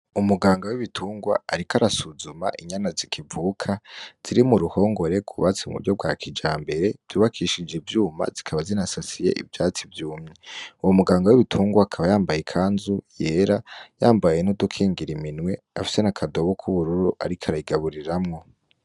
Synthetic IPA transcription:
umuɡaːŋɡawiβitʰuːŋɡwa̰ːɾikaɾasuzuma̰ʔiɲanazikʰivuːkʰaz̥iɾimuɾuho̞ːŋɡo̞ɾe̞kuβat͡siumṵɾɟob̚ɡwa̰kʰid͡ʒaːmbe̞ɾe̞v̥juːβakʰiʃid͡ʒevjuːma̰zikʰaβazinasasije̞̰ʔḭvjaːt͡sivjuːmɲeuwomuɡaːŋɡawiβitʰuːŋɡwaːkʰaβajaːmbajekʰaːnzuje̞ːɾajaːmbajenudukʰiːŋɡiɾiminwe̞ | a̰fi̥se̞nakʰado̞βokʰuβuɾuɾuʔa̰ɾikʰaɾaiɡaβuɾiɾamŋo̞

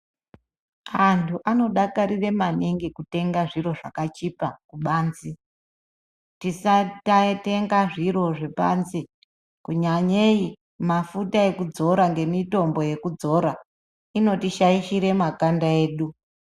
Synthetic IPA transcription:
antʰuʔano̞ɗakaɾire̞maneŋɡikute̞ŋɡaʐiɾo̞ʐa̰kat͡ʃipakuɓaːnzi | tisatate̞ŋɡaʐiɾo̞ʐe̞pa̰nzi | kuɲaɲei | mafutae̞kud͡zo̞ɾaŋɡe̞mito̞mbo̞je̞kud͡zo̞ɾa | ino̞tiʃaiʃiɾe̞makandae̞ːɗu

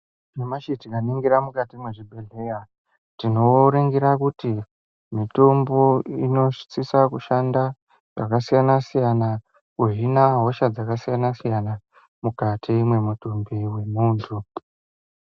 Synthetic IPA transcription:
nemaʃitikaniŋɡiɾamukatimwe̞ʐibʱe̞ɮeka | tino̞ɾeŋɡiɾakuti | mito̞mbo̞ino̞ʃt͡sisakuʃanda | ʐ̥a̰kasijanasijana | kuɦinaɦo̞ʃad͡zakasijanasijana | mukatʰimwe̞mutumbiwe̞muːntʰu

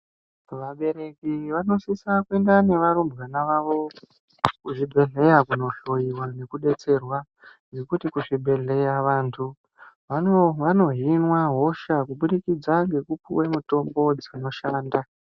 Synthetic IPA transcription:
ʋaɓe̞ɾe̞kiʋano̞sisakue̞ndane̞ʋaɾumbɣanaʋaʋo̞ | kuʐibʱe̞ɮe̞jakuno̞ɬo̞jiwane̞kuɗe̞t͡se̞rwa | nd͡zekutikuʐibʱe̞ɮe̞jaʋaːntʰu | ʋanoʋano̞ɦinwaɦo̞ʃakuɓuɗikid͡zaŋɡe̞kupṵwemuto̞mbo̞d͡zino̞ʃaːnda

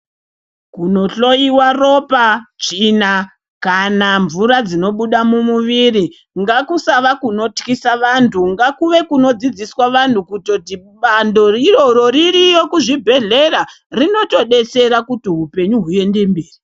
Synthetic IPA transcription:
kuno̞ɬo̞iwaro̞pat͡ʃiːna | kanaɱvuɾad͡zino̞ɓuɗamumuʋiri | ŋɡakusaʋakuno̞tkisaʋantʰuŋɡakuʋe̞kuno̞d͡zid͡ziswaʋan̤ukutotiɓando̞riro̞ɾo̞ɾirijo̞kuʐibʱe̞ɮe̞ra | rino̞to̞ɗe̞se̞ɾakutiɦupe̞ɲuɦue̞nde̞mbiːri

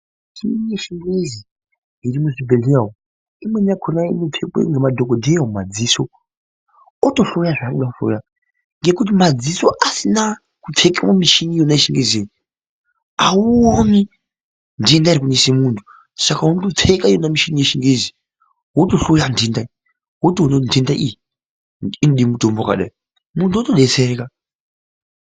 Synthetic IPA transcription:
ʃinijeʃiŋɡezi | iɾimuʐibʱeɮeao | imweniakʰonaimitʰekḛŋɡemadʱokodʱeomad͡ziːso | otoɬojaʐaiɗakuɬo̰ja | ŋɡekut̬imad͡zisoʔasina | kutʰekamomiʃinijonaeʃiŋɡeze | auoni | ndiendaiɾik̬unesimuntʰu̥ | sakaɦunotop͡fʰekaijonamiʃinijeʃiŋɡezi | wotoɬojandendai | wotionondendaʔijiː | noɗimutomboka̰ɗa̰i | muntʰuotoɗet͡seɾeka

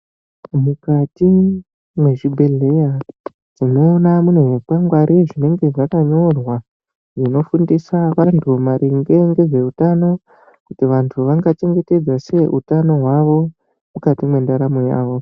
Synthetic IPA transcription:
mukati | mwe̞ʐibʱe̞ɮe̞ja | d͡zino̞namunweʐipwaŋɡwaɾʔiʐine̞ŋɡe̞ʐakaɲo̞rwa | ʐino̞fundisaʋantʰumaɾʔiŋɡe̞ŋɡe̞ʐe̞utano̞ | kutiʋantʰuʋaŋɡat͡ʃe̞ŋɡe̞te̞d͡zase̞ʔutano̞ɦwaʋo̞ | mukatimwe̞ndaɾamoja̰ːʋo̞

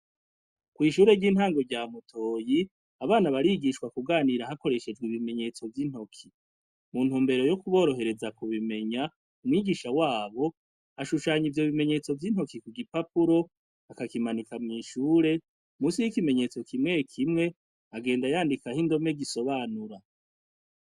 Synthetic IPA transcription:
kwiːʃuːɾe̞ɟiːnhaːŋɡo̞ɾɟaːmutʰo̞ːji | aβaːnaβaɾiɡiʃkwakuɡaːniɾahako̞ɾe̞ʃe̞d͡ʒɡwiβime̞ɲe̞ːt͡so̞vjin̥ho̞kʰi | mun̥huːmbe̞ɾo̞jokuβo̞ːɾo̞ɦe̞ɾe̞zakuβime̞ɲa | umwiːɡiːʃawaːβo̞ | aʃuʃaːɲivjo̞βime̞ɲe̞ːt͡so̞vjin̥ho̞kikuɡipapuɾo̞ | akakimanikamŋiːʃuːɾe̞ | muːsijikime̞ɲe̞ːt͡so̞kimŋe̞kʰimŋe̞ | aɡe̞ːndajaːndikahindo̞me̞ɡiso̞βaːnuɾa

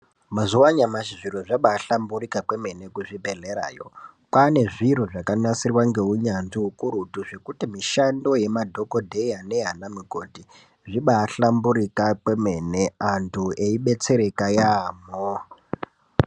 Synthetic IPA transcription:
mazuwaɲamaʃiʐiɾoʐaɓaːɬamburikakwe̞me̞ne̞kuʐibʱeɮeɾa̰ːjo̞̰ | pane̞ʐiɾoʐakanasirwaŋɡe̞ɦuɲanʐiɦukuɾutuʐe̞kutimiʃando̞je̞madʱo̞kodʱeane̞ɦanamiɡʱo̞di | ʐiɓaːɬambuɾikakwe̞me̞ne̞antʰueiɓe̞t͡se̞ɾe̞kajamo

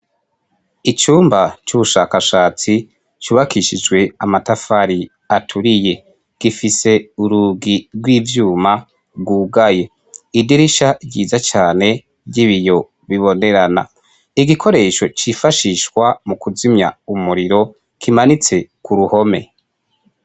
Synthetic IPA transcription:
it͡ʃuːmbat͡ʃuβuʃaːkaʃaːt͡si | t͡ʃuːβakiʃid͡ʒɡwe̞amatafaɾi | atʰuɾije̞ | ɡ̥ifise̞uɾuɡiɾɡwiːvjuːma | ɡuːɡaje̞ | idiɾiʃaɟiːzat͡ʃaːne̞ | ɟiβijo̞ | βiβo̞ne̞ɾana̰ | iɡikʰo̞ɾe̞ːʃo̞t͡ʃifaʃiʃkwamukuzimɲaumuɾiɾo̞ | kʰimanit͡se̞kʰuɾuho̞me̞̰

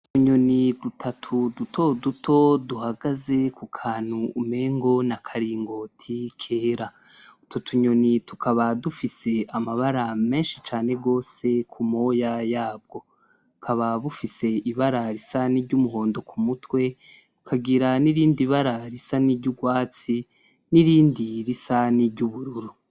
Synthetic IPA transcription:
tuɲo̞nidutʰatʰudutʰo̞dutʰo̞duhaɡaze̞kukʰaːn̥huːme̞ːŋɡo̞nakʰaɾiːŋɡo̞tʰikʰe̞ːɾautʰotʰuɲo̞nitukʰaβadufise̞amaβaɾame̞ːnʃit͡ʃaːne̞ɡo̞ːse̞kʰumo̞ːjajaːb̚ɡo̞ | ukʰaβaβufise̞iβaɾaɾisaniɾɟumuɦo̞ːndo̞kʰumutwe̞ | ukʰaɡiɾaniɾiːndiβaɾaɾisaniɾɟuɡwaːt͡si | niɾiːndiɾisaniɾɟuβuɾuɾu

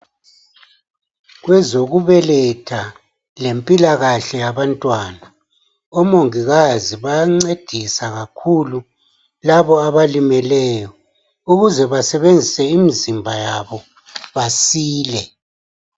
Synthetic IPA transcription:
ɣwɛzoɣuβɛlɛtʰa | lempʼilaɣaɬɛjaβantʼwaːna | ɔmoŋiɣaziβaŋ͡ǀed̥ʱisaɣakʰulu | laβɔaβalimɛlɛːjɔ | uɣuzɛβasɛβend͡zʱisɛimizimbʱajaβɔ | βasiːlɛ

